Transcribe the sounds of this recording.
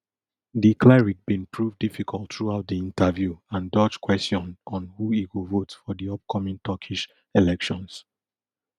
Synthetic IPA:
diklɛɹik̚b̥ĩnpʰɹuvdifikʰɔltθɹuaʊt̚diĩntʰəvjuãndɔt͡ʃkwɛstjɔ̃nɔ̃nhuikovotfɔdiɔp̚kʰɔmĩŋtʰɔkʰiʃ | ɛlɛkʃɔ̃ns

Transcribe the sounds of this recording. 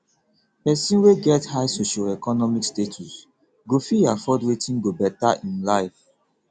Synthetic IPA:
pɛsĩnweɡɛthaɪsoʃalɛkɔnɔmikstetʰus | ɡofiafɔdwetĩnɡobɛtaʔĩnlaɪf

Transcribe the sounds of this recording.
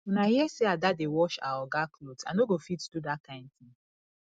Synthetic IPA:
wɛnahiɛseadadewɔʃa̰waɡakʰlodã̰noɡofitdudakãɪ̃nd̚θĩn

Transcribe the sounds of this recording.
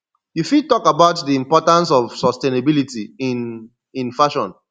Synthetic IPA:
jufid̚tɔkabaʊtdiĩmpɔtãns̬ɔv̥sɔstenabilitiin | ĩnfaʃɔ̃n

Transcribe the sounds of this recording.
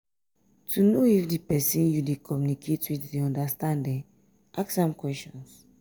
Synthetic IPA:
tʰunoifdipɛsĩnjudekʰɔmjunikʰetwiddiɔ̃ndastãndɛ̃ | ʔaksãmkwɛstɔ̃ns

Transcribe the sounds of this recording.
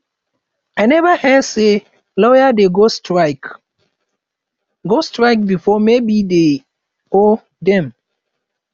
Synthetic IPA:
ajnɛvəhɛdse | lɔjadeɡostɹaɪk | ɡostɹajk̚bifɔmebide | o | dɛ̃m

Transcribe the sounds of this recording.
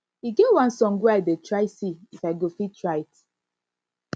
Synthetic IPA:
hiɡewãnsɔ̃ŋɡweaɪdetɹaɪsiifaɪɡofitɹat

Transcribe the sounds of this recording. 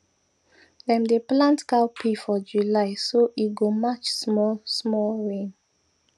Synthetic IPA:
dɛ̃mdeplãntkapʰefɔd͡ʒulaɪsoʔiɡomat͡ʃsmɔlsmɔlɹẽn

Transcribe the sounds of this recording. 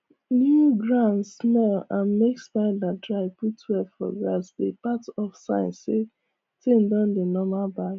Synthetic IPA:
njuɡɹãnssmɛlãnmeksbaadɹaɪputwɛfɔ̰ɡɹasbepatɔfsãɪ̃nsːe | tʰẽndãndenɔmaba

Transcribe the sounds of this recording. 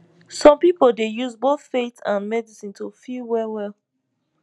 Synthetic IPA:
sɔ̃mpipəldejuzboθfetãnmɛdisĩntʰufilwɛwɛlˠ

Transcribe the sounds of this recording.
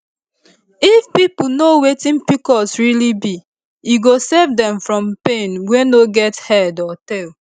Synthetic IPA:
ifpipunowetĩnpikɔsɹilibi | juɡosɛvdɛ̃mfɹɔ̃mpẽnwenoɡɛthɛdɔtɛl

